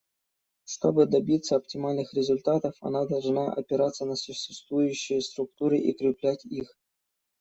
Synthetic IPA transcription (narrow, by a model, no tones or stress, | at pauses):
ʂt̪o̞bɨd̪ɐbʲit̪sːəɐp̚tʲɪmalʲnɨxɾʲɪzʊlʲt̪at̪əfɐ̰nad̪ɐlˠʐnaʔɐ̰pʲɪɾat̪sːənɐsʊɕɪst̪vujʉɕːɪjəst̪ɾʊk̚t̪uɾɨʔikɾʲɪplʲætʲix